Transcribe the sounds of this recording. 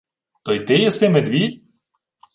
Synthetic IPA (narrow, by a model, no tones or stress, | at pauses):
t̪ɔjt̪ɪjɛsɪmed̪ʲʋʲid̪ʲ